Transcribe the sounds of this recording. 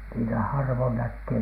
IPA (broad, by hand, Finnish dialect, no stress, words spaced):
niːtæ hɑrʋon nækːeː